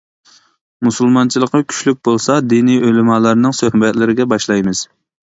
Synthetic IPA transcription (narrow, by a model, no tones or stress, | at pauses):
musɨlˠmɑnt͡ʃʰilˠəqːɑkʲʰy̥ʃlyk̚ʲbolˠsɑd̪iniølɪmɑːlˠɑɾnɨŋsøhbɛt̪lɪɾɪɡʲɛbɑʃlˠɑjmɨz̥